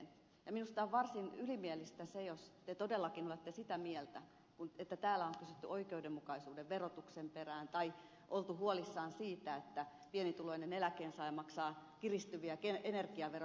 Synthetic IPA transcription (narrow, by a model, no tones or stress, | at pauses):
n | jɑminust̪ɑoʋʋɑrsinylimielist̪æsejost̪et̪odelːɑkinolet̪ːesit̪æmielt̪æ | kunet̪ːæt̪æːlːæoŋkysyt̪ːyʔoikeudemmukɑisuːdeʋʋerot̪uksemperæːnt̪ɑi | ʔolt̪uhuolisːɑːnsiːt̪æet̪ːæ | pienit̪uloinenelækeːnsɑimɑksɑːkirist̪yʋiækeenerkiɑʋer